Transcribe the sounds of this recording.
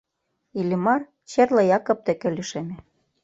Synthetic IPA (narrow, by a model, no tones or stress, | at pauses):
ilʲimɑr | t͡ɕerlɤ̆jɑkŏp̚t̪ĕkĕliʃemĕ